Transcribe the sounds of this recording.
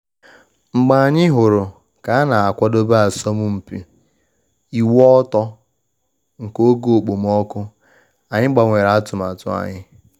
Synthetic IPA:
ŋ͡m̩˨ɡ͡ba˨a˨ɲɪ˦ɦʊ˨ɾʊ˨ | ka˨a˦na˨a˨kʷɔ˦do˦ba˦a˨sɔ˦mʊ˦m̩˨pi˨ | i˨wɔ˦tɔ˦ | ŋ̩˨ko˦ɡo˦o˨k͡po˨m˦ɔ˦kʊ˦ | a˨ɲɪ˦ɡ͡ba˨ŋʷe˨ɾa˨a˦tʊ˨ma˨tʊ̰˨a̰˨ɲɪ˦

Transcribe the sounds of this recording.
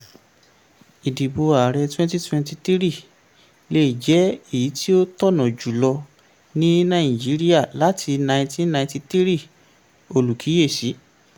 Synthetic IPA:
i˨di˨bo˧a˨ɾɛ˧twɛ̃˦nti˦twɛ̃˧nti˧t̪i˦ɾi˦˨ | le˦i˨d͡ʒɛ˨˦i˦˨ji˨˦tʰi˦o˦tɔ˦˨nɔ̃˨d͡ʒu˨lɔ˧ | nĩ˦nã˦˨d͡ʒi˨˦ɾi˦a˦˨la˨˦tʰi˧nã˧j̃tĩ˦nã˧ĩ˦ti˧t̪i˦ɾi˦˨ | o˨lu˨kʰi˨˦je˦˨si˨˦

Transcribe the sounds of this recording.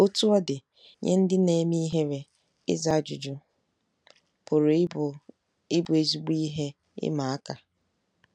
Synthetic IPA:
o˦tu˦ɔ˦dɪ˨ | ɲḛ˦n̩˦dɪ˦ne˨mi˦ɦe˦ɾe˨ | ɪ̰˦za˦˨d͡ʒʊ˨d͡ʒʊ˦ | pʊ˨ɾ | ɪ˦bʊ˨e˨zu˨ɡ͡bi˦i˦ɦe˦ | ɪ̰˦ma˨a˦ka˨

